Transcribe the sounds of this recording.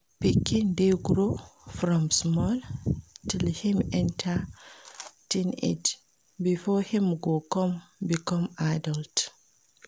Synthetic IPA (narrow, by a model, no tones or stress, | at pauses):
pikːindɛɡɾofɾɔ̃msmɔltilhimɛntʰa | tinḛt | bifɔhimɡɔkɔmbikɔmadalt